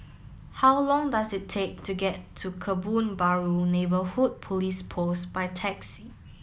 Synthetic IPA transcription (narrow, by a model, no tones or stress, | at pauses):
hawlɔ̃ŋdasɪtʰːek̚tʰuɡɛtʰːukʰəbũnbaɹunebəhud̚pʰɔlispʰosb̥ajtʰɛksi